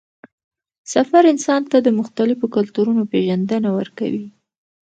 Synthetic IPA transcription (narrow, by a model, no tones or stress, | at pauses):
safaɾɪnsɑnt̪ad̪əmʊxt̪alɪfokʊlt̪uɾunopeʒand̪ənawə̰ɾka̰wi